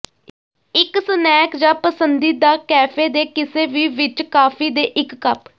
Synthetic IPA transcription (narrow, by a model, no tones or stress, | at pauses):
ɪksənɛːkd͡ʒaːpəsənd̪iːd̪aːkɛːpʰeːd̪eːkɪseːʋiːʋɪt͡ʃkaːpʰiːd̪eːʔɪkːəp